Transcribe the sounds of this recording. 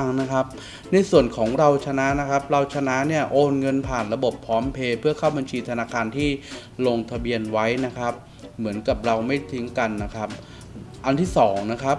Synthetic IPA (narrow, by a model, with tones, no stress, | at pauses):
ŋna˦˥kʰa˦˥p̚ | na˧jsu˨˩ənkʰɔː˩˦ŋɾa˧wt͡ɕʰa˧na˦˥na˦˥kʰa˦˥p̚ɾa˧wt͡ɕʰa˧na˦˥ni˥˩ɐʔoː˧nŋɤ˧npʰaː˨˩nɾa˧bo˨˩pʰːɔː˦˥mpʰeː˧pʰɯ˥˩ɐkʰaː˥˩wba˧nt͡ɕʰiː˧t̪ʰa˧naː˧kʰaː˧nt̪ʰiː˥˩loː˧ŋt̪ʰa˧bi˧ənwa˦˥jna˦˥kʰa˦˥p̚ | mɯ˩˦ənka˨˩p̚ɾa˧wma˥˩jt̪ʰi˦˥ŋka˧nːa˦˥kʰa˦˥p̚ | ʔa˧nt̪ʰiː˥˩sɔː˩˦ŋna˦˥kʰa˦˥p̚